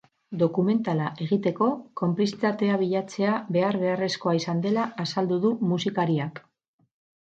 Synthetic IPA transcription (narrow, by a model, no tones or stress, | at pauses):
d̪o̞kume̞nt̪alaʔe̞ɣ̞it̪e̞ko̞ko̞mplisit̪at̪e̞aβ̞iʎat͡se̞aβe̞aɾβe̞are̞sko̞aisand̪e̞laːsald̪uðumusikaɾiak